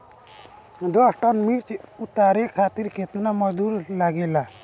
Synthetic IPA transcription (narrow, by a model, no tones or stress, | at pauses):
d̪ɔsʈənmiɾt͡ʃut̪aːɾekʰaːt̪iɾkʰet̪naməd͡ʒd̪uːɾlaɡeːlaː